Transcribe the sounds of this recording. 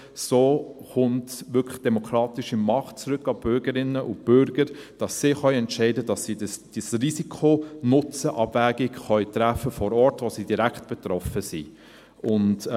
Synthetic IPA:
soːχʊntʋʏkʰlə̥d̥ɛmɔkʰɾɑːtɪʃimɑχt̚t͡sɾʏkːɑb̥ʏɾɡəɾɪnːəʔʊb̥ʏɾɡ̥əɾd̥ɑsːɪːχœʏɛntʃɛɪdəd̥ɑsːiːdəsd̥isrisikʰonʊt͡səʔɑbvæːɡɪɡχœʏtɾæfːəfɔɾɔːɾtʋosiːdiɾæktb̥ɛt̪ɾɔfəsi | ʊnd

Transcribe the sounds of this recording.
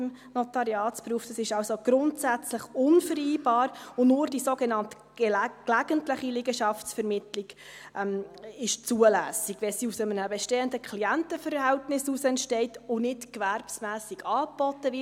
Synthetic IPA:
m | nɔtɑɾiɑːtspɾuːftd̥ɑsɪʃɑlsoɡ̥ɾʊntsæt͡sləχʊnfəɾiːbɑːɾʊnʊːɾdisoɡenɑnt | klæɡ̥əntləχilɪɡəʃɑft͡sfɛɾmɪtlɪɡ̥ | ʔɛmɪʃt͡suəlæːsiɡ̥ʋɛsiːusəmənəbɛʃteːəndəkʰliæntəfəɾɦɛltnɪsusɛntʃtɛɪtʊnɪtkværpsmæːsiɡɑːb̥ɔtːəvɪ

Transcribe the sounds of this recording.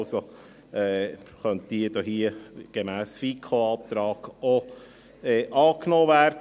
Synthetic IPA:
ʊso | ɛːχœntd̥iːədɔɦiəɡ̥emæːsfiːkʰχoɑːt̪ɾɑːɡo | ɛːʔɑːknoːvæːrd

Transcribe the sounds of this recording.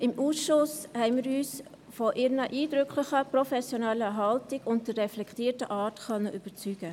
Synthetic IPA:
ɪmʔuːsʃʊshɛɪnmɪːɾyːs | fɔʔɪɾnəʔiːdɾʏkʰlɪçəprɔfɛsjonɛlːəɦɑltɪɡʊnt̚dəɾːɛflɛktiːtəʔɑːtxœnːəʔyb̥ət͡syːɡ̥ə

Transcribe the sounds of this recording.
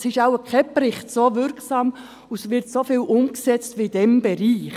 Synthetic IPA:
sɪʃaʊəkʰχɛpɾɪχtsoːvʏɾksɑːm | usʋɪɾtsofiːlʔʊmksɛt͡stʋid̥ɛmb̥ɛɾiːχ

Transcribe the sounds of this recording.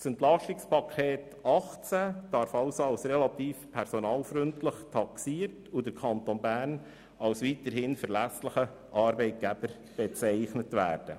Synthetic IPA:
sɛntlɑʃtɪkspɑkʰeːt | ɑχt͡sæd̥ɑɾfɑʊsoɑlsɾɛlɑt̪iːfpʰɛɾsonɑːlfɾʏntləχtʰɑksiːəɾtudəɾkʰɑntonbæːɾn | ɑlsʋitəɾhɪnfəɾlæsləχə | ʔɑɾbɛɪt̚ɡ̥æbəɾ | b̥ɛt͡sɛɪχnətʋæ̰ːɾd̥ə

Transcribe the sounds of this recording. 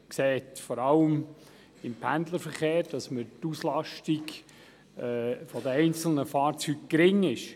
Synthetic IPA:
kseːtfɔɾɑləm | ɪmpʰænd̪ləɾfəɾχeːɾd̥ɑsməɾtuslɑʃtiɡ | ɛːfɔdəɛɪnt͡sl̩nəfɑːɾt͡syːk̚kɾɪŋɪʃ

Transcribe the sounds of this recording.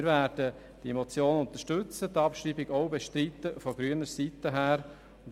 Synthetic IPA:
ɾvæːɾd̥ə | d̥iemɔt͡sjoːnʊnt̪əʃtɵt͡sətɑpʃriːbɪɡɔʊbeʃtɾit̪ːəfɔɡ̥ɾyːənəɾsit̪ːəɦæːɾ | ʊnd

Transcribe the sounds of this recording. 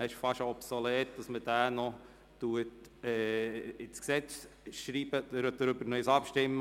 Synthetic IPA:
æɪʃfɑʃɔpsolɛːt̚d̥ɑsmədæːnɔ | tuətɛːɪsksɛt͡s | ʃɾiːbədəɾøt̚d̥əɾʏbəɾnœsɑpʃtɪmːə

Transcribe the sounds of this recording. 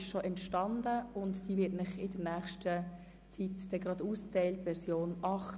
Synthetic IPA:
ʃʃoʔɛntʃtɑnd̪əʊntd̥iːvɪtnɪχɪdəɾnæːχʃtʰə | t͡sit̪d̪̥ɛɡɾɑd̥̪uːstɛɪltːʋɛɾsjoːnɑχ

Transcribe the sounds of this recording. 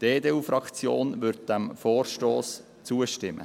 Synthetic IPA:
d̥eːdeːufɾɑkt͡sjo̰ːnʋʏɾt̚d̥æmfoːrʃtoːs | t͡suəʃtɪmːə̰

